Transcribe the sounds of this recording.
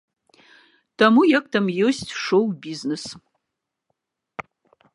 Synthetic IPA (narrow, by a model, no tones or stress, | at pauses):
tʰɐmujɐk̚ʼtʰɐmjostʂowbiznɨs